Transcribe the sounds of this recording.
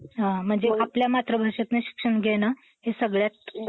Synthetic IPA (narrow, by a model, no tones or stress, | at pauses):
ɦãm̤əɳd͡zeapljamat̪ɾəbʱaʂat̪neɕi̥kʂəɳɡʱena | ɦesəɡɭjat̪̚